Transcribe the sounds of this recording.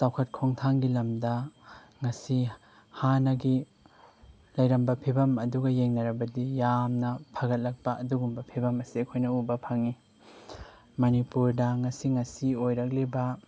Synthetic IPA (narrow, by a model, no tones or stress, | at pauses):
tawkʰɐt̚kʰoŋtʰaŋɡilɐmdɐ | ŋɐsi | hanɐɡi | lɐjɾɐmbɐpʰibɐmɐduɡɐjeŋnɐɾɐbɐdijamnɐpʰɐɡɐt̚lɐk̚pɐːduɡumbɐpʰibɐmɐsiɐkʰojnɐubɐpʰɐŋi | mɐnipuɾdɐŋɐsiŋɐsiojɾɐk̚libɐ